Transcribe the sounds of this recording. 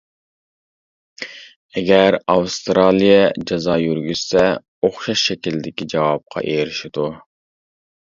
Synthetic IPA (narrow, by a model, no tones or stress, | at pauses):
ɛɡʲæɾɑwst̪ɾɑlˠijɛd͡ʒɑzɑːjyɾɡʲyz̥sɛ | oχʃɑʃːɛkʲilɪd̪ɪkʲid͡ʒɑwɑp̚qʰɑ̰ʔejɾɪʃid̪u